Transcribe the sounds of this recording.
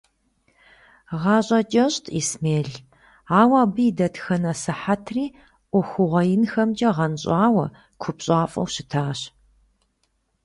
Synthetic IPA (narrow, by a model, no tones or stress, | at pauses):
ʁɑːɕʼɐt͡ʃʼɐɕtʰismeːɮ | aːwaːbɨdɐtʰxɐnɐsɨħatʰriː | ʔʷʊxʷʊʁʷɐjɪnxɐmd͡ʒʼɐʁɐnɕʼaːwɐ | kʷʰʊpɕʼaːfʼɐ̰wɕɪtʰaːɕ